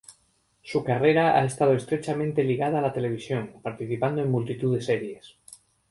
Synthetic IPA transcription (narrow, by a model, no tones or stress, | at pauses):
sukare̞ɾaa̰e̞st̪að̞oest̪ɾet͡ʃamẽnt̪e̞liɣaðaːlat̪e̞le̞β̞isjo̞ŋpaɾt̪iθipand̪oẽ̞mːult̪it̪uðeseɾje̞s